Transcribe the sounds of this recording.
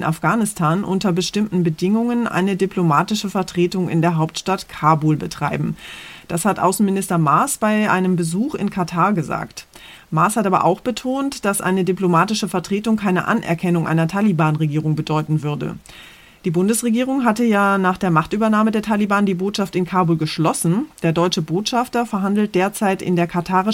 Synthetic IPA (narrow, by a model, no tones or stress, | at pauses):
nʔa̰fɡ̥aːnɪstʰaːnʔʊntɐbəʃtɪmtn̩bədɪŋʊŋənʔa̰ɪnədiplomaːtɪʃəfɛɐtʁ̥eːtʊŋɪ̰ndeːɐɦaʊp̚tʃtatkʰaːbuːlbətʁ̥aɪbm̩d̥ashatʔa̰ʊsn̩mɪnɪstɐmaɐsb̥aɪʔa̰ɪnəmbəzuːχɪ̰nkʰatʰaːɐɡəza̰ːkt | maɐshatʔaːbɐ̰ʔa̰ʊxb̥ətʰoːntd̥asʔa̰ɪnədyplomaːtɪʃəfɛɐtʁ̥eːtʊŋkʰaɪnə̰ʔa̰nʔɛ̰ɐkʰɛnʊŋʔa̰ɪnɐtʰaːlibaːnʁeɡiːʁʊŋbədɔʏtn̩vʏɐdə̰ | d̥iːbʊndəsʁ̥eɡiːʁʊŋɦatəjaːnaːχd̥eːɐmaχtʔyːbɐnaːmədeːɐtʰalibaːndiːboːtʃaftɪnkʰaːbuːlɡəʃlɔsn̩d̥eːɐdɔʏt͡ʃəboːtʃaftɐfɛɐɦandl̩t̚d̥eːɐt͡saɪtɪ̰ndeːɐkʰatʰaːʁɪ